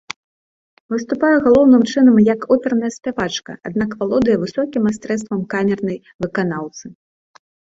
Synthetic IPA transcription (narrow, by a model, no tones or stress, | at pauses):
vɨst̪upajɛɣalˠɔwnɨmt͡ʂɨnɐmjɐkɔpʲɛɾnɐjɐsʲpʲavat͡ʂkɐ̰a̰d̪nakvalˠɔd̪ɨjɐvɨsɔkʲimast̪ɾɛst̪vɐmkamʲɛrnɐj | vɨkanawt̪sɨ